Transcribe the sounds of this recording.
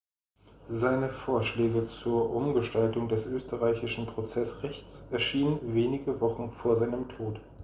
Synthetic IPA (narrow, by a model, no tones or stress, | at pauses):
zaɪnəfoːɐʃlɛːɡət͡suːɐʔʊmɡəʃtaltʊŋdɛsʔøːstəʁaɪçɪʃn̩pʁ̥ot͡sɛsʁɛçt͡sʔɛɐʃiːnənveːnɪɡəvɔχn̩foːɐzaɪnəmtʰoːt